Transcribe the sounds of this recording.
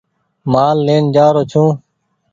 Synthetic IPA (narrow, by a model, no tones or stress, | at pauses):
maːlːeːnd͡ʒaːɾoːt͡ʃʰũː